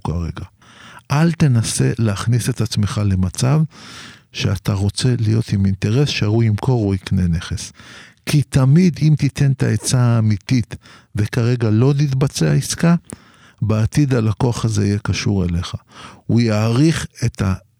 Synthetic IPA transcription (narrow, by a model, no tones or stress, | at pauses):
ka̰ʁeɡa | ʔalt̪e̞nase̞leaχnise̞t̪at͡sme̞χale̞mat͡sav | ʃeat̪aʁo̞t͡se̞lijo̞̰t̪imint̪e̞ʁe̞sʃeauimkʰo̞ʁuikne̞ne̞χe̞skit̪amid̪imt̪it̪e̞nt̪aet͡saːmit̪it̪ | ve̞kaʁe̞ɡalo̞nitbat͡seaiska | beat̪id̪alako̞aχazeijekaʃuʁe̞le̞χaujaːʁiχe̞t̪ʰa